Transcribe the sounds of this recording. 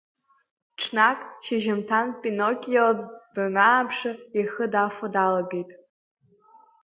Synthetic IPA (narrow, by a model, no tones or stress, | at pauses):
ʈ͡ʂʰnakʼʃaʒamtʰanpʼinokʲʼjad̥naːpʰʂaiχədafadalaɡejtʼ